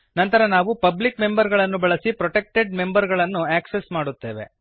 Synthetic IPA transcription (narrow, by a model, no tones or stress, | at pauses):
nɐnt̪ɐɾɐnaːʋupɐblikme̞mbɐɾɡɐɭɐnːubɐɭɐsipɾɔʈek̚ʈeɖ̚me̞mbɐɾɡɐɭɐnːuaːksesmaːɽut̪ːe̞ːʋe̞̰